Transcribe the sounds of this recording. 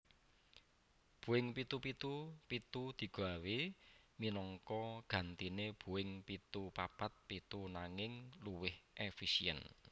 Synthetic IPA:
b̥uwɪŋpit̪upit̪upit̪ud̪̥i̤ɡ̥a̤weminɔŋkɔɡ̥ä̤nt̪ineb̥ṳwɪŋpit̪upapat̪̚pit̪unaŋɪŋluwɪhʔefisiɛ̰n

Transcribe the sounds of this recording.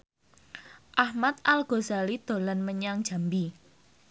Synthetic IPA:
ʔahmat̪̚ʔalɡ̥ozalid̪̥o̤lanməɲaŋd̥ʒ̥a̤mbi

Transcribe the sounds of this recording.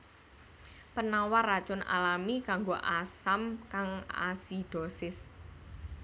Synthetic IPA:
pənawarḁt͡ʃʊna̰lamikaŋɡoʔasamkaŋa̰sid̥ɔsɪs

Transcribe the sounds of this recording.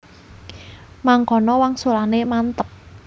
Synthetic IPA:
maŋkɔnɔwaŋsolanemant̪əp̚

